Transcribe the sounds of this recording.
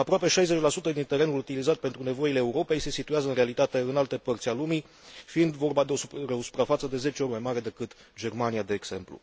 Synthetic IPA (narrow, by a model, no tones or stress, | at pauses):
apɾoape̞ʃajze̞t͡ʃʲlasut̪əd̪int̪e̞ɾe̞nulut̪ilizat̪̚pe̞nt̪ɾune̞vo̞ileːuɾo̞pe̞jse̞sit̪uazəɨnrealit̪at̪e̞ɨnalt̪e̞pərt̪sʲalumi | fiind̪vo̞rbad̪oeosu̥pɾafat̪səd̪e̞ze̞t͡ʃeo̞ɾʲmajmaɾe̞d̪e̞kɨt̪ | d͡ʒe̞rmanijad̪e̞ːɡse̞mplṵ